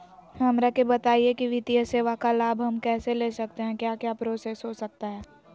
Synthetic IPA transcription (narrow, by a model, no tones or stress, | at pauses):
hɐmɾakebɐt̪aːiekiʋɪt̪ijəseːʋakalaːbʱɦɐmkɛːseleːsɐk̚t̪eɦɛ̃kjaːkjaːpɾoːsesɦosɐk̚t̪aɦɛː